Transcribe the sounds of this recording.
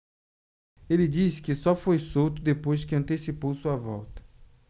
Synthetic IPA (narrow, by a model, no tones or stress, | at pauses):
elɪd͡ʒisɪ̥kɪsɔfojsowt̪ʊd̪epojzkɪɐ̃nt̪esipowsuɐvɔ̰wt̪ɐ̥